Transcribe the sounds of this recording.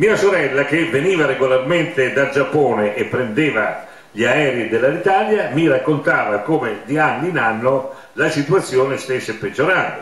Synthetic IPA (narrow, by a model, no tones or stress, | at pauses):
miːasoɾɛlːak̟eveniːvaɾeɡolarment̪ed̪ad͡ʒapːɔːneʔepːɾend̪eːva | ʎiaɛːɾid̪elːalit̪aːljamirakːont̪aːvakoːmed̪ianːiinanːo | lasit̪uat̪sːjoːnest̪esːepːed͡ʒːoɾaːt̪o